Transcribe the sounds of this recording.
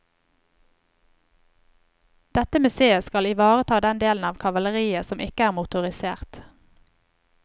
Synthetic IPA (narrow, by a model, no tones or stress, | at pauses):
d̪̥ɛt̪əmʉseːəskɑlɪʋɑːʁət̪ʰɑːd̪ɛnd̪eːln̩ɑːʋkʰɑʋɑləʁiːəsɔmʔɪkəæːʁmʊt̪ʊʁɪsḛːʁt̪